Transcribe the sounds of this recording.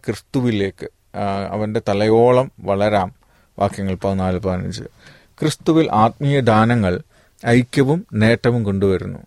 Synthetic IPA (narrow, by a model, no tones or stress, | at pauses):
krɨst̪uʋile̞ːkːɨ | ɐ̰ʋɐnde̞t̪ɐlɐjo̞ːɭɐmʋɐɭɐɾaːm | ʋʔa̰ːkjɐŋːɐɭpɐðnːaːlɨpɐrɐnḭt͡ɕːɨ̰ | krɨst̪uʋilʔaːt̪̚mijɐd̪ʱaːnɐŋːɐɭ | ɐjkʲːɐʋumne̞ːʈːɐʋumko̞ɳɖuʋɐɾunːṵ